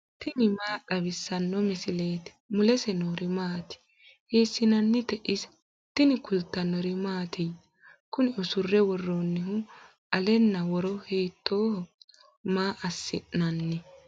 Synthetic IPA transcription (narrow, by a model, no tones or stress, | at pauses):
t̪ɪnɪmaːɗɐβɪsːɐnːɔmɪsɪle̞ːt̪ɪ̥mʊlɛsɛnoːɾɪmaːt̪ɪ̥ | heːsːɪnɐnːɪt̪ɛʔɪsɐ̥ | t̪ɪnɪkʊlt̪ːɐnːɔɾɪmaːt̪ʰɪj | kʊnɪɔsʊrːɛwɔrːonːɪhʊ | ʔɐlɛnːɐwɔɾɔhɛjt̪ʰːoːhɔ | maːʔɐsːɪʔnɐnːɪ